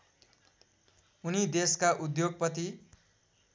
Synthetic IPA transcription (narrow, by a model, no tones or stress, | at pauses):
unid̪eskaʔud̪joɡ̚pʌt̪i